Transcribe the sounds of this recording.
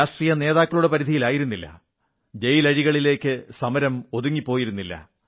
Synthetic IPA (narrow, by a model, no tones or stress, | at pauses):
aːst̪rijɐne̞ːðaːkːɐɭuɽepɐɾid̪ʱijilaːjiɾunːilːɐ̰ | d͡ʑejilɐɻiɣɐɭile̞ːkːɨsɐmɐɾɐmo̞ðuŋːipːo̞ːjiɾunːilːɐ̰